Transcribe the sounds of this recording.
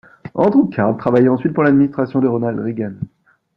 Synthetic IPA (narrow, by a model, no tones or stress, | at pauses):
ɑ̃d̪ukʰaʁd̪̚t̪χavajɛɑ̃sɥit̪̚puʁlad̪minist̪χasjɔ̃d̪əʁɔnald̪ʁiɡan